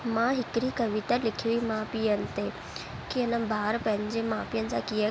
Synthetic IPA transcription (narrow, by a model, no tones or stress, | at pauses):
mãːɦɪkɾikəʋit̪alɪkʰiimãːpiənt̪e | kiənãbʱaːɾpə̃ɲd͡ʑemãːpijə̃nsakia